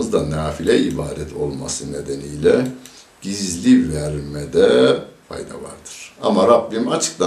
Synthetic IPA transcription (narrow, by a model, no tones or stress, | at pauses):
ɯzd̪anaːfilʲɛibaːd̪ɛt̪ʰo̞lˠma̰sɯne̞d̪enijlʲɛ | ɟ̥izlʲivæɾmɛd̪ɛfʰa̰jd̪a̰va̰ɾd̪ɯɾ̥amaɾabːimat͡ʃʰɯ̥k̚t̪a